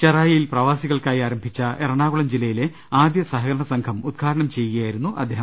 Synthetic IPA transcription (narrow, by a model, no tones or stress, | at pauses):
t͡ɕeraːjɐjilprɐʋaːsiɣɐɭkaːjiaːɾɐmbʱit͡ɕːɐʔeɾɐɳaːɣuɭɐmd͡ʑilːɐjile̞ | aːd̪jɐsɐɦɐɣɐɾɐɳɐsɐŋkʰɐmud̪̚kʰaːɾɐɳɐmt͡ɕe̞jːuɣɐjaːjiɾunːuʔɐ̰d̪ʱːeɦɐ